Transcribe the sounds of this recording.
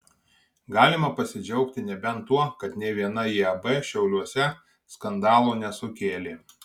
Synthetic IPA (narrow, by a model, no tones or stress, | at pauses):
ɡɑːlʲɪmɐpɐsʲɪd͡ʒʲɛʊkt̪ʲɪnʲɛbʲɛnt̪ːuɔkɐt̪nʲɛʋʲiɛnɐjiɐbɛʃʲɛʊlʲuɔsʲɛ | skɐnd̪ɑːlˠonʲɛsʊkʲeːlʲeː